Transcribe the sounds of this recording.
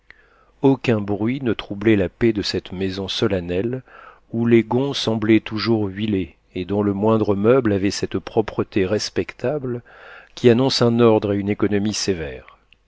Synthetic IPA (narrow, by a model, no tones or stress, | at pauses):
okʲɛ̃bʁɥinət̪χublɛlaped̪əsɛt̪mezɔ̃sɔlanɛl | uleɡɔ̃sɑ̃blɛt̪uʒuʁɥile | ed̪ɔ̃ləmwɛ̃d̪ʁəmœblavɛsɛt̪pχɔpχət̪eʁɛspɛkt̪ʰablkʲianɔ̃sɛ̃nɔʁd̪ʁeynekɔnɔmisevɛːʁ